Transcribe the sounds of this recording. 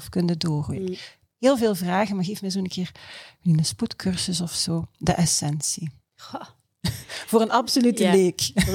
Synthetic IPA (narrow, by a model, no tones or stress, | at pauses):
fkɵndədoːrχṵj | ɦɪːlˠveːlˠvraːɣənmaɣeːftmɛzoːənkʰɪːrməninəsputkʰørsəsɔfsoːdə̰ʔɛsɛnsi | voːrənɑpsolytəʋeːk